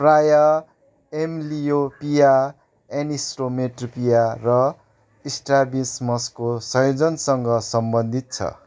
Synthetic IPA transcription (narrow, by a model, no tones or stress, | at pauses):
prajʌ | emlijopija | enisromeʈrpijarʌ | isʈrabismʌskosʌjod͡zʌnsʌŋɡʌsʌmbʌnd̪ʱit̪̚t͡sʰʌ̰